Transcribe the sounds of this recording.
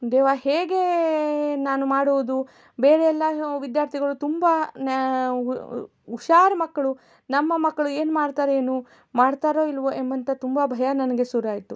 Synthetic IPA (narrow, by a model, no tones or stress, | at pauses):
d̪eːʋaːɦeːɡe̞ | naːnumaːɽuʋud̪u | beːɾɛjɛlːaʋid̪jaːɾt̪ʰiɡɐɭut̪umban | uʃaːɾɐmɐkːɐɭu | nɐmːɐmɐkːɐɭue̞ːnumaːɽt̪aːɾeeːnu | maːɽt̪aːɾo̞ːilːɐʋoʔembɐnt̪ɐt̪umbabʱɐjɐnɐnɐɡe̞suɾaːjit̪ːu